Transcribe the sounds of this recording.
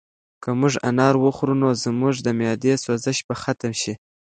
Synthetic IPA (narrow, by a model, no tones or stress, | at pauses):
kəmʊʐa̰nɑɾwəxɾunozmʊʐd̪əmjɑd̪eswazəʃbaxat̪amʃi